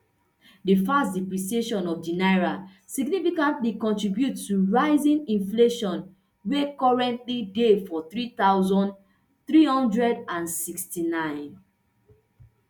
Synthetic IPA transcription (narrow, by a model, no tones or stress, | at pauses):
difastdipɹisieʃɔ̃nɔfdinaɪɹa | siɡnifikãntlikɔ̃ntɹibjutːuɹaɪzĩnĩnfleʃɔ̃n | wekɔɹɛ̃ntlidefɔθɹit̪aʊzɔ̃nd | θɹihɔ̃ndɹɛdãnsikstinãɪ̃n